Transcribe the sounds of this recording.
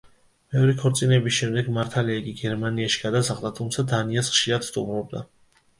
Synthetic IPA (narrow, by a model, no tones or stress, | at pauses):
mɛɔɾikʰɔɾt̪sʼinɛbisʃɛmd̪ɛɡmaɾt̪ʰaliaiɡiɡɛɾmaniaʃi̥ɡ̥ad̪asaʁd̪at̪ʰumt̪sʰad̪aniasχʃiɾad̪̥st̪ʼṵmɾɔb̚d̪a